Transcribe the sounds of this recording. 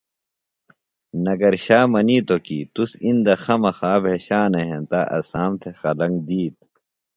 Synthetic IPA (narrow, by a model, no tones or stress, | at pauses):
nɐɡɐɾɕaːmɐniːt̪okiːt̪usind̪ɐxɐmɐxaːbʱeːɕaːneɦẽnt̪aʔɐ̰saːmt̪ʰexɐlɐ̃ŋɡd̪iːt̪̚